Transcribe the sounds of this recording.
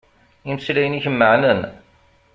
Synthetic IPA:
imslæjəniçəmːəʕnən

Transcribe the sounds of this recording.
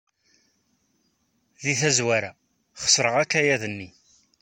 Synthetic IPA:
ðiθæzwæɾa | χə̥sɾəʁækːæjæðənːi

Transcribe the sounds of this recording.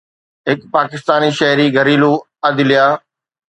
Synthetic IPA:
ɦɪkpaːkɪst̪aːniʃɐɦɾiɡəɾiːlu | ɐd̪ɪlɪjaː

